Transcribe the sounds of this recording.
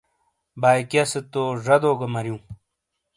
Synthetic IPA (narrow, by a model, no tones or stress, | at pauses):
baːjkjɐset̪oːʐɐd̪oːɡɐmɐɾjũː